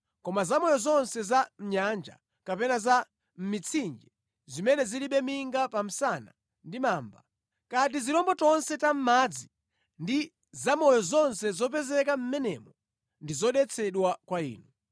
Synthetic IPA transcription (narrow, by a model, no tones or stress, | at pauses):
kɔmazamɔjɔzɔnsɛzam̩ɲand͡ʒa̰ | kapɛnaza | m̩mit͡sʰind͡ʒɛ | zimɛnɛziliɓɛmiŋɡapam̩sana̰ | ndimaːmba | kat̬iziɾɔmbɔtɔnsɛtam̩maːd͡zi | ndi | zamɔjɔzɔnsɛzɔp̬ɛzɛkam̩mɛnɛ̰mɔ | ndizɔɗɛt͡sʰɛɗwakwaḭːnu